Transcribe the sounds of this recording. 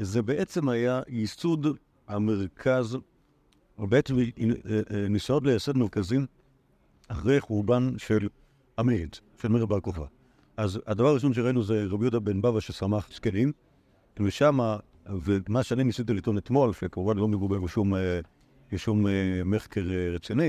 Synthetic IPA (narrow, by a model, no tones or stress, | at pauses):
zebeʔet͡se̞mhajajisud | hameʁkʰaz | obeet͡sem | nisot̪lejasod̪meʁkazim | aχʁejχuʁbanʃel | amed | ʃelmeʁbalkofa̰ | ʔazad̪avaʁaʁiʃo̞nʃ̬eʁainuzeʁabjudabenbavaʃesamaχskenim | veʃama | vemaʃanimisit̪ilitonet̪mo̞lfiakuʁbanlo̞meɡubeʁbeʃume | eʃumemeχkeʁʁet͡sini